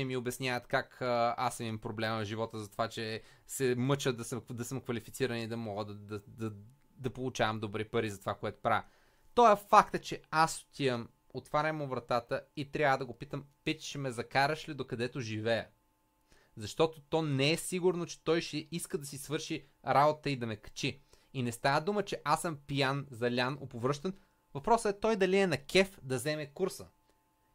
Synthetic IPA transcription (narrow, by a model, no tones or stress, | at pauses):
ɛmiobɛsnʲjavɐt̪kakasimimpɾoblɛməʒivɔt̪əzɐt̪ovat͡ʃɛ | sɛmɤt͡ʃəd̪ɐsəd̪ɐsəmkvɐlifit̪siɾənid̪ɐmɔɡəd̪d̪ɐd̪ɐ | d̪ɐpolˠut͡ʃavɐmd̪obɾipɐɾizɐt̪ovakoɛt̪o̥pɾa | t̪ɔɛfakt̪ət͡ʃɛaso̥t̪ʲiəm | ot̪vaɾʲɐmʊvɾɐt̪at̪əit̪ɾʲavəd̪ɐɡopit̪əmpɛt̪ʃɛmɛzɐkaɾəʃlid̪okɐd̪ɛt̪ʊʒivɛə̰ | zɐʃt̪ɔt̪ot̪ɔnɛɛsiɡʊɾnot͡ʃɛ̥t̪ɔjʃɛiskəd̪ɐsisvɤɾʃi | ɾabot̪t̪əid̪ɐmɛkɐ̥t͡ʃi | inɛst̪avəd̪umət͡ʃɛʔasəmpijanzɐlʲano̰povɾɤʃt̪ən | vɐpɾɔsəɛt̪ɔjd̪ɐliɛnɐkʲɛfd̪ɐzɛmɛkuɾsə